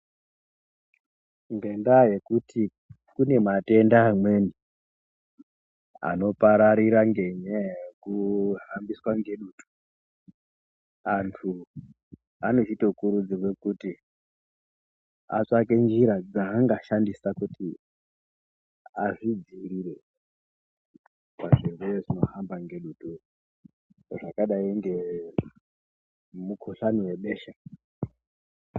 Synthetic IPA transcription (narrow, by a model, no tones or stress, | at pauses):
ŋɡe̞ndaje̞kutʰi | kune̞mate̞ndaːmwe̞ni | a̰no̞paɾaɾiɾaŋɡe̞ɲajekuɦambiswaŋɡe̞ɗuːtu̥ | antʰu | ano̞t͡ʃitokuɾud͡zirwe̞kuti | a̰t͡ʂake̞nd͡ʒiɾad͡zaːŋɡaʃandisakuti | aʐid͡ziriɾe̞ | kaʐerujeʐino̞ɦambaŋɡe̞ɗuːtʼu | ʐakaɗaiŋɡe̞ | mukʰoɬaniwe̞ɓe̞ːʃa